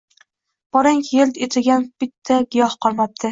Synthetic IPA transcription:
b̥ɒɾaŋkʲjelt̪et̪ʰɪɡʲanb̥ɪt̪ʰːaɡʲɪjɒhqʰɒɾmap̚t̪ʰɪ

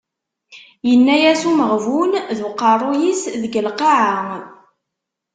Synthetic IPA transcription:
jənːæjæsuməʁvunðwqːɑrˤujisðəɡəlqɑʕaŋ

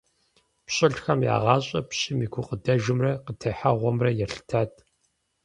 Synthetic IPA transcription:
pɕʼɪɬxɐmja̰ːʁɑːɕʼɐpɕʼɪmiːɡʷʰʊqʼədɐʒɪmrɐqətʰɐħaʁʷɔmrɐjɛɬɨ̥tʰaːtʰʼ

